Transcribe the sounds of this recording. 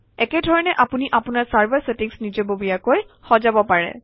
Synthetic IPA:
ɛkɛdʱɔɹɔnɛʔapuniʔapʊnaɹsaɹbaɹsetiŋsnid͡ʒɔbobijakojxɔzabɔpaɹɛ̰

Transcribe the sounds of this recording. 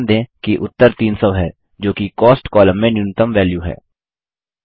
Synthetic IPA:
nd̪ẽːkiʔʊt̪ːəɾt̪iːnsəʋɦɛː | d͡ʒoːkikɔːsʈkɔːlə̃mːẽnjʊnət̪əmʋɛːljuɦɛ̰ː

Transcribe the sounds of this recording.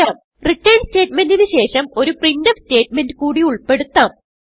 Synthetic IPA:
aːm | riʈːɐjnste̞ːtmendinɨɕe̞ːʂɐmo̞ɾuprindɐmste̞ːtme̞ndɨkuːɽiuɭpe̞ɽut̪ːaːm

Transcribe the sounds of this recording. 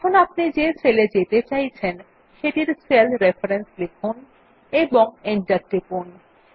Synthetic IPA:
ɛkʰonapned͡ʑeseled͡ʑet̪et͡ɕajt͡ɕʰen | ʃeʈiɾselʰɾefaɾenslekʰun | eboŋeɳʈəɾʈipun

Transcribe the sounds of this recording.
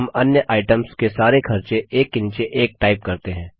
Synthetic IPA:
mɐnjəʔaːɪʈəmskesaːɾekʰɐɾt͡ʃeʔeːkːɪ̃nt͡ʃeʔeːk̚ʈaːɪp̚kɐɾt̪eɦɛ̃ː

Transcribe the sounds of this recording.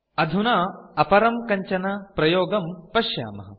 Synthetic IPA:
ɐd̪ʱunaːɐpɐɾɐmkɐɲt͡ʃɐnɐpɾɐjoːɡɐmpɐʃja̰ːmɐ̰ɦɐ̰

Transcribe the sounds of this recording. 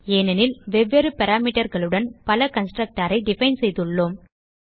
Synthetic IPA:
eːnɐnɪlʋɛʋːeɾɯpɐɾaːmiːʈɐɾɣɐɭɯɽɐnpɐlɐkɐnsʈɾɐk̚ʈaːɾɐɪɖɪfɐɪnsɛjðɯɭːoːm

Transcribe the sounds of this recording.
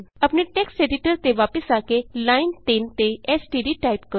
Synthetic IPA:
apniʈeksʈeɖiʈəɾt̪eʋapəsakelaint̪ent̪eesʈiɖiʈajpkə

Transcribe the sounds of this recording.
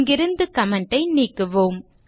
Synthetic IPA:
ŋɡɪɾɯnd̪ɯkɐmɐɳɖɐɪniːkːɯʋoːm

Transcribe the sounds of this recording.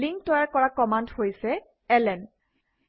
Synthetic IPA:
liŋtɔjaɹkɔɹakɔmandhojsɛ | ɛlɛn

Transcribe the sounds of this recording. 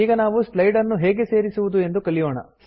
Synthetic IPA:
iːɡɐnaːʋuslɐjɖɐɾnːuɦeːɡe̞se̞ːɾisuʋud̪ue̞nd̪ukɐɭijoːɳɐ̰s

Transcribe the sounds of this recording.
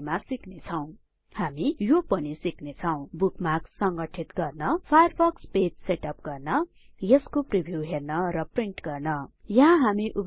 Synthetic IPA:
masiknet͡sʰʌw̃ | hamijopʌnisiknet͡sʰʌw̃bukmaksʌŋɡʌʈʰit̪ɡʌrnʌpʰajʌrbʌksped͡zseʈʌp̚ɡʌrnʌ | jʌskopribʱjuɦernʌrʌpriɳʈɡʌrnʌjʌɦãɦamiʔub

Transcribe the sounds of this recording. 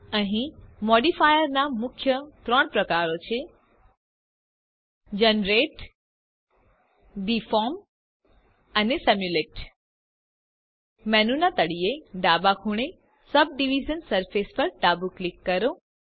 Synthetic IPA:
əɦĩmɔɖifajəɾnamʊkʰjət̪ɾəɳ̃pɾəkaɾot͡ʃʰe | d͡ʒənɾeʈ | ɖifɔm | ənesɛmjuleʈ | mɛnunat̪əɽieɖabakʰuɽ̃e | səb̚ɖiʋid͡ʒənsəɾfespəɾʈabuklikːəɾo

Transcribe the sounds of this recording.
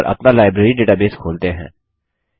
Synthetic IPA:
ɾʔɐ̰pnalaːɪbɾeɾiɖeːʈaːbeːskʰoːlt̪eɦɛ̰̃ː

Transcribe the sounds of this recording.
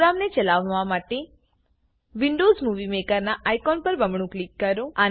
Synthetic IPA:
ɾamnet͡ʃəlaʋʋamaʈe | ʋiɳɖozmuʋimekəɾnaʔajkɔnpəɾbəmɳũklikːəɾõa

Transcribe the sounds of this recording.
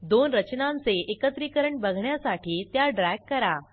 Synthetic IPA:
d̪onɾət͡ɕnãnt͡seʔekət̪ɾikəɾəɳbəɡʱɳjasaʈʰiːt̪jaɖɾɛɡkːəɾa

